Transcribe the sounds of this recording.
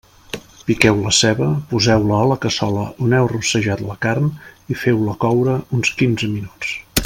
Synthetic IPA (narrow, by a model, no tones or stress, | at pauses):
pikɛwləsɛβəpuzɛwləələkəsɔləʔunɛwrusəʒat̪ləkarmifɛwləkɔwɾəunskinzəminut͡s